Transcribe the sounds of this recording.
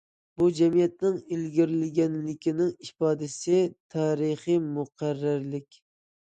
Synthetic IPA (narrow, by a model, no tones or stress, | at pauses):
bud͡ʒɛmijɛt̪̚nɪŋilɡʲiɾlɪɡʲɛnlɪkʲinɪŋipɑːd̪ɪsɪt̪ʰɑːɾɨχɨjmuqʰæɾːɪɾlɪkʲ